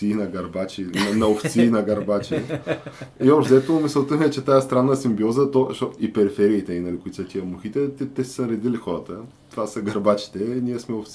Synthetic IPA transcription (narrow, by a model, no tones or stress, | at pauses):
inɐɡɐɾbat͡ʃinɐnɐoft̪sinɐɡɐɾbat͡ʃi | iozɛt̪omisəlˠt̪əmɛt͡ʃɛt̪ajəst̪ɾanːəsimbiɔzət̪ɔʃt̪ɔipɛɾifɛɾiːt̪ɛinɐlikʊit̪sət̪ʲiəmuxit̪ɛt̪ɛt̪ɛsi̥sənɾɛd̪ilixɔɾət̪ə | t̪ovasəɡɐɾbat͡ʃi̥t̪ɛiniɛsmɛoft̪s